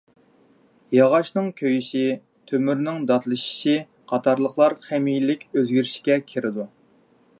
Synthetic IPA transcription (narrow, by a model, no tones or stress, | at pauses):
jɑʁɑʃnɨŋkʲʰøjyʃi | t̪ʰømyɾnɪŋd̪ɑt̪lˠɨʃi̥ʃi | qʰɑt̪ʰɑɾlˠəχlˠɑɾχɛmijlɪkʲøzɡʲyɾɪʃi̥kʲɛkʲʰeɾɪd̪u